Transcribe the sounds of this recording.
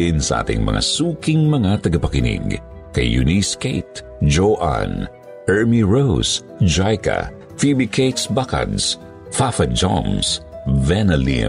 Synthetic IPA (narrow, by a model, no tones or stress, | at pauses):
ɪnsɐʔa̰ːt̪ɪ̰ŋmɐ̰ŋa̰suːkɪŋmɐŋat̪ɐɡɐpɐkɪnɪ̰ɡ | kɐ̰jːʊ̰niskejt̪̚ | d͡ʒoʔa̰n | ʔɛɹmiɹows | d͡ʒajka̰ | fibikʰejt̪sbaka̰d̪s | fafɐd͡ʒo̰msvɛnɐlḭ